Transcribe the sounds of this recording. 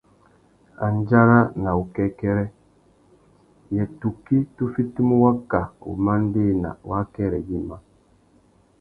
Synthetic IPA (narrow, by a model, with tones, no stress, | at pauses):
a˨nd͡ʒa˦ɾa˦na˨u˨kɛ˦kɛ˦ɾɛ˦ | jɛ˨tu˨ki˦tu˦fi˦ti˦mu˦wa˦ka˨ṵ˨ma˦n˦de˦˨na̰˨wa˦kɛ˦˨ɾɛ˨ɡi˦ma˦